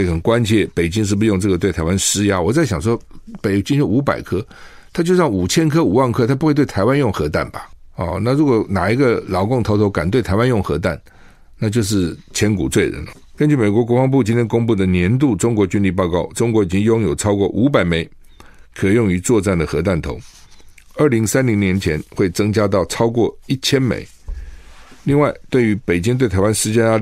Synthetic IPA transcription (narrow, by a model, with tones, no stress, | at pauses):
xə˨˩nkwa˦nt͡ɕʰjɛ˥˩pe˨˩ɪt͡ɕi˥ŋʂ̬ɻ̩˥˩bu˧jʊ˥˧ŋʈ͡ʂɤ˥˩ɡə˩we˥˩ɪa˧˥ɪwa˥nəʂɻ̩˥ja˥wɔ˨˩t͡sa˥˩ɪɕjɑ˨˩ŋʂwɔ˥pe˨˩ɪt͡ɕi˥ŋjo˥˩u˧˥pa̰˨˩ɪkʰɤ˥ | t̪ʰa˥t͡ɕjo˥˧ʊʂɑ˥˩ŋu˨˩t͡ɕʰjɛ˥nkʰɤ˥u˨˩wa˥˩nkʰɤ˥t̪ʰa˥pu˧˥xwe˥˧t̪̬wɪtʰa˧˥ɪwa˥˦njʊ˥˩ŋxɤ˧˥t̪a˥˩nba˩ɑ̰˧˩na˥˩ɻu˧˥kwɔ˨˩na˨˩i˧˥ɡə˧lɑ˧˥ʊkʊ˥˩ŋt̪ʰo˧˥ʊt̪ʰo˧˥ʊka˨˩nt̪we˥˩ɪt̪ʰa˧˥ɪwa˥njʊ˥˩ŋxɤ̰˧˥t̪a̰˥˩n | na˥˧t͡ɕjo˥˧ʊʂ̬ɻ̩˥˩t͡ɕʰjɛ˧˥nkṵ˨˩t͡swe˥˩ɪɻə̰˧˥nlə˦ | kə˥nt͡ɕy˥˩me˨˩ɪkwɔ˧˥kwɔ˧˥fɑ˥ŋp̬u˥˨t͡ɕi˥nt̪ʰjɛ˥nkʊ˥ŋpu˥˩d̪ə˨njɛ˧˥nt̪̬u˥˩ʈ͡ʂʊ˥ŋkwɔ˧˥t͡ɕy˥nli˥˧pɑ˥˧ʊkɑ˥˩ʊʈ͡ʂʊ˥ŋkwɔ˧˥i˨˩t͡ɕi˥ŋjʊ˥ŋjo˨˩ʊʈ͡ʂʰɑ˥ʊkwɔ˥˩ʔu˧˥p̬a˨˩ɪme˨˩ɪ | kʰɤ˨˩˨jʊ˥˩ŋy˧˥t͡swɔ˥˧t͡sa˥˩nd̪ə˩xɤ˧˥t̪̬a˥˩nt̪ʰo̰˧˥ʊ | ə˞˥˩li˧˥ŋsa˥nli˧˥ŋnjɛ˧˥nt͡ɕʰjɛ˧˥nxwe˥˩ɪt͡sɤ˥ŋt͡ɕja˥t̪̬ɑ˥˩ʊʈ͡ʂʰɑ˥ʊkwɔ˥˩i˥˩t͡ɕʰjɛ˥nmḛ˨˩˦ɪ | li˥˧ŋwa˥˧ɪt̪we˥˩ɪy˧˥pe˨˩ɪt͡ɕi˥ŋt̪we˥˩ɪt̪ʰa˧˥ɪwa˥nʂɻ̩˥t͡ɕa˥a˥